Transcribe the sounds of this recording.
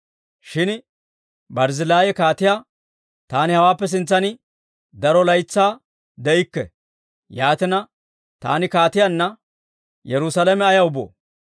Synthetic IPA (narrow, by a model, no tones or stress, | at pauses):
ʃɪn | bɐɾzɪlaːjɛkaːt̪ɪja | t̪aːnɪhɐwaːpːɛs̬ɪnt͡sːɐnɪ | d̪ɐɾɔlɐjt͡sːaː | d̪ɛɪkːɛ̰ | jaːt̪ɪnɐ | t̪a̰ːnɪkaːt̪ɪjanːɐ | jɛɾʊsɐlɐmɛɐjɐʊbo̰ː